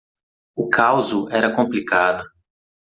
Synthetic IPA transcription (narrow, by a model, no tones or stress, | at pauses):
ʊkʰawzʊʔɛɾɐkõmplikad̪ʊ